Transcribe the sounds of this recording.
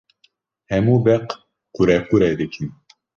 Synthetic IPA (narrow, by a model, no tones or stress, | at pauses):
hɛmubɛq | quɾɛquɾɛd̪ekʲʰim